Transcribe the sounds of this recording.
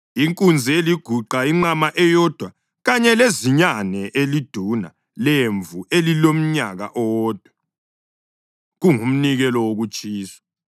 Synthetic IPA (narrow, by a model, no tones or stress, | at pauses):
iŋkʼund͡zʱieliɡ̥ʱuǃaiŋ͡ǃamaʔɛjɔd̥ʱwa | ɣaɲɛleziɲanɛʔelid̥ʱuna̰ | leɱvuelilom̩ɲaɣa̰ʔɔɔːd̥ʱwa | ɣuŋum̩niɣɛlɔwoɣut͡ʃʼiːsḁ